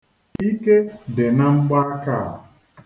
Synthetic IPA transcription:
i˦ke˦de˨na˦ŋ͡m̩˦ɡ͡ba˦ka˦˨

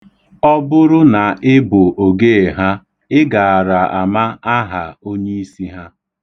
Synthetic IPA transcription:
ɔ˦bʊ˦ɾʊ˦na˨ɪ˦bʊ˨ʔo˨ɡe˦e˨ɦa˦ | ɪ˦ɡa˨a˨ɾa˨a˨ma˦a˦ɦa˨o˦ɲe˦i˦si˦ɦa˦

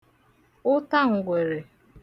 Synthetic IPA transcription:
ʊ˦ta˦ŋ̩˨ɡʷe˨ɾe˨

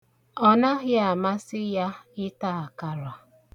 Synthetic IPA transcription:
ɔ˦na˦ɣɪ˦a˨ma˦sɪ˦ja˦ɪ˦ta˦˨a˨ka˨ɾwa˨

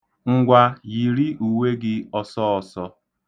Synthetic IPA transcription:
ŋ̩˦ɡʷa˦ji˨ɾi˦u˨we˦ɡɪ˦ɔ˦sɔ˦ɔ˨sɔ˦

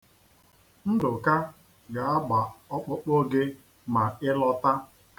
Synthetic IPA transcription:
n̩˦dʊ˨ka˦ | ɡa˨a˦ɡ͡ba˨ɔ˦k͡pʊ˦k͡pʊ˦ɡɪ˦ | ma˨ɪ˦lɔ˦ta˦ | k

